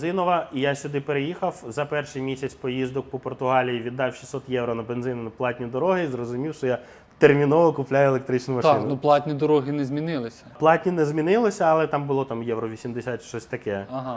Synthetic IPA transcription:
zɪnɔʋɐijaɕʲʊd̪ɪpeɾejixɐwzɐpɛrʃɨjmʲisʲɐt͡sʲpɔjizd̪ɔk̚pɔpɔrt̪ʊɦɑlʲijiʋʲid̪ːɑwʃi̥sɔt̪jɛwɾɔnɐbenzɪnɪnɐplˠɑtʲnʲid̪ɔɾɔɦɪzrɔzʊmʲiwʃɔja | t̪ermʲinɔʋɔkʊplʲajʊelˠek̚t̪ɾɪt͡ʃnʊmɐʃɑɪnʊnuplˠɑtʲnʲid̪ɔɾɔɦɪnɛzmʲinɪlˠɪsʲɐ̥plˠɑtʲnʲinɛzʲmʲinɪlˠɔsʲɐɐlˠɛt̪ɑmbʊlˠɔt̪ɑmjɛwɾɔʋʲisʲimd̪esʲat̪ʃt͡ʃɔsʲt̪ɐkɛɐɦɑ

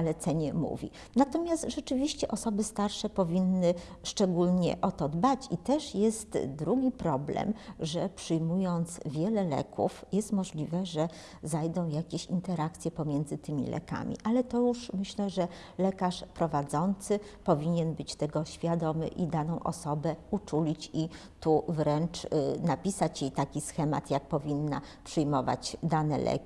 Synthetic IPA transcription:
alɛt̪sɛɲɛmṵvʲḭ | nat̪ɔmʲjast̪ʐɛt͡ʂɘvʲiɕt͡ɕɛʔɔsɔbɘst̪aɾʂɛpɔvʲinːɘʂt͡ʂɛɡulɲɛ̰ʔɔt̪ɔd̪bat͡ɕit̪ɛʂjɛst̪d̪ɾuɡʲipɾɔblɛ̰mʐɛpʂɘjmujɔnt̪svʲjɛlɛlɛ̰kʰṵfjɛst̪mɔʐlʲivɛʐɛ | zajd̪ɔ̃w̃jakʲeɕint̪ɛɾakt̪sʲjɛpɔmʲjɛnd̪zɘt̪ɘmʲḭlʔɛ̰ka̰mʲḭʔalɛt̪ɔjuʂmɘɕlɛʐɛ | lɛkaʂpɾɔvad̪zɔnt̪sɘpɔvʲiɲɛnbɘt͡ɕt̪ɛɡɔɕfʲjad̪ɔmɘ̰ʔid̪anɔ̃w̃ʔɔ̰sɔbɛut͡ʂulʲit͡ɕi | t̪uvɾɛnt͡ʂnapʲisat͡ɕjejt̪akʲisxɛma̰t̪jak̚pɔvʲinːapʂɘjmɔva̰t͡ɕd̪anɛlʔɛ̰kʲi

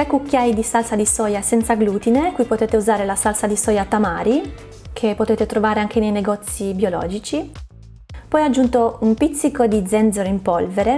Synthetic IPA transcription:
t̪ɾekukːjajd̪isalsad̪isɔːjasɛnt̪saɡluːt̪inekujpot̪eːt̪euzaːɾelasalsad̪isɔːjat̪amaːɾi | kʰepːot̪eːt̪et̪ɾovaːɾeaŋk̟enejneɡɔt̪sːibjolɔ̰ːd͡ʒit͡ʃi | pɔjad͡ʒːunt̪oumpit̪sːikod̪id̪zɛnd̪zoɾoimpɔlveɾe

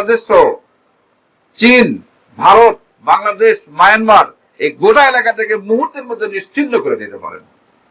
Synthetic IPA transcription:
d̪eʃo | t͡ɕin | bʱaɾot̪̚ | baŋlad̪eʃmajanmaɾ | eɡoʈaelakaʈekemuɦuɾt̪ːeɾmod̪ʱːeniʃt͡ɕit̪ːokoɾed̪it̪epa̰ɾḛn

